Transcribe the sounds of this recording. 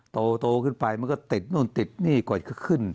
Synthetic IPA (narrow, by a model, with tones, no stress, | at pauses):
t̪oː˧t̪oː˧kʰɯː˧˩npa˧jma˧nkɔ˥˩t̪i˨˩t̪̚nu˧˩˨t̪i˨˩t̪̚niː˧˥˩kɔ˨˩˨kʰɯ˧˥˩kʰɯ˧˩˨n